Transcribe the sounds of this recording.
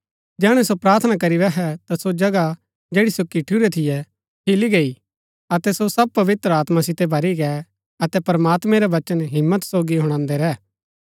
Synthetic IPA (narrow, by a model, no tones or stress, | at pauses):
d͡ʒɛːɽ̃ɛ̃sopɾaːɾt̪ʰənakɐɾiɾɛɦɛt̪asod͡ʒɐɡa | d͡ʒeːɽisokɪʈʰuɾɛt̪ʰɪjɛ | kʰɪliɡei | ɐt̪ɛsosɐb̚pɐʋɪt̪ɾəaːt̪masɪt̪ɛbʱɐɾiɡɛ | ɐt̪ɛpɾəmaːt̪mɛ̃ɾɛʋɐt͡ʃənɦɪmːət̪soːɡiɦʊɽ̃ãːnd̪ɛɾɛː